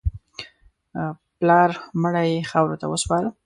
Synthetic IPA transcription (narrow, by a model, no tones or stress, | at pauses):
plɑɾməɽajexawɾot̪a̰wəspɑɾə